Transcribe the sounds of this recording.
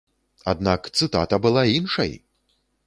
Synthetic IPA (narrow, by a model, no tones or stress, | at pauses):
a̰d̪nakt̪sɨt̪a̰t̪ɐbɨlˠainʂɐ̰j